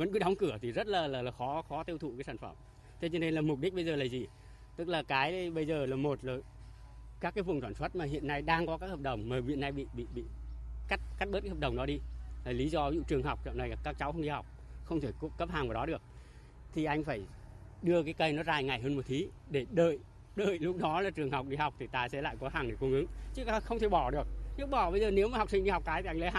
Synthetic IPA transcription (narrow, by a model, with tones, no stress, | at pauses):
və̰˧˥nkɨ˨˦ɗɔ˨˦wŋ͡mkɨ˧˩ət̪ʰi˨˩zə˦˥t̚laː˨˩laː˨˩laː˨˩xɔ˨˦xɔ˨˦t̪i˧əwt̪ʰṵ˧˨kaː˨˦jsaː˧˩nfə̰˧˩m | t̪ʰe˧t͡ɕɔ˧ne˧nlaː˨˩mʊ˨˩k͡p̚ɗi˦˥ɓə˧jzəː˨˩laː˨˩zi˨˩ | t̪ɨ˦˥k̚laː˨˩kaː˨˦jɓə˧jzəː˨˩laː˨˩mo˨˩t̚ləː˨˩ | kaː˦˥kːaː˨˦jvu˨˩ŋt̪waː˧˩nswə˦˥t̚maː˨˩ɦḭ˧˨ənːa˧jɗaː˧ŋkɔ˨˦kaː˦˥khə˨˩p̚ɗə˨˩wŋ͡mmaː˨˩vḭ˧˨ənːa˧jɓḭ˧˨ɓḭ˧˨ɓḭ˧˨ka˦˥jt̚ka˦˥t̚ɓə˦˥ka˨˦həː˨˩ɗə˨˩wŋ͡mɗɔ˨˦ɗi˧laː˨˩li˨˦zɔ˧zṵ˧˨t͡ɕɨ˨˩əŋɦa˨˩wk͡p̚t͡ɕɔ̰˧˨wna˧˩jkaː˦˥k̚t͡ɕa˨˦wxə˧ŋ͡mɗi˧ha˨˩wk͡p̚ | xə˧wŋ͡mt̪ʰe˧˩kkə˦˥p̚haː˨˩ŋvaː˨˩ɗɔ˨˦ɗɨ˨˩ək̚ | t̪ʰi˨˩ʔa˧jŋ̟faː˧˩j | ɗɨ˧əkaː˨˦jkə˧jnɔ˨˦zaː˧˩jŋa˨˩jɦəː˧nmo˨˩t̚t̪ʰi˨˦ | ɗe˧˩ɗə̰ː˧˨j | ɗə̰ː˧˨jlʊ˦˥k͡p̚ɗɔ˨˦laː˨˩t͡ɕɨ˨˩əŋɦa˨˩wk͡p̚ɗi˧ha˨˩wk͡p̚t̪ʰi˨˩t̪aː˧sɛ̰˧˥la̰ː˧˨jkɔ˨˦ɦaː˨˩ŋɗe˧˩ku˧ŋɨ˨˦ŋt͡ɕɨ˨˦˧xə˧wŋ͡mt̪ʰe˧˩ɓɔ˧˩ɗɨ˨˩ək̚ɲɨ˦˥ɓɔ˧˩ɓə˧jzəː˨˩ne˨˦wmaː˨˩ha˨˩wk͡p̚sï˧ŋ̟ɗi˧hwk͡p̚kaː˨˦jt̪ʰi˨˩ʔŋlə˨˦j